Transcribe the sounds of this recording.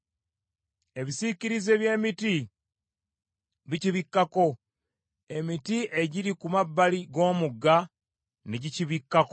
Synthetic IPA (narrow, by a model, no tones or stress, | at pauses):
e̞βisiciɾize̞βje̞ːmiti | βiciβikːako̞ | e̞mitiʔe̞ɟiɾikumabːaliɡo̞ːmuɡːa | neɟiciβikːako